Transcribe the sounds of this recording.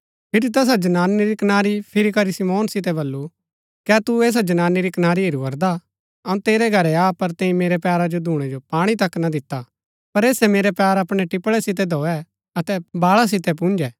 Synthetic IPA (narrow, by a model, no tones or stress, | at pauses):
pʰɪɾit̪̬ɛs̬ad͡ʒɐnaːniɾikɐnaːɾipʰɪɾikɐɾisɪmoːnsɪt̪ɛbɐlːu | kɛːt̪ueːs̬ad͡ʒɐnaːniɾikɐnaːɾieɾuʋɐɾd̪a | ɐũt̪eːɾɛɡʱɐɾɛapɐɾt̪ɛ̃ːĩmeːɾɛpjaːɾad͡ʒod̪ʱuːɽ̃ɛ̃d͡ʒopaːɽ̃it̪ɐkːnad̪ɪt̪ːa | pɐɾeːsɛmeːɾɛpjaːɾɐpɽ̃ɛʈɪpɭɛsɪt̪̬ɛd̪ʱɔːɛ | ɐt̪ɛbaːɭas̬ɪt̪ɛp̬ũnd͡ʒɛː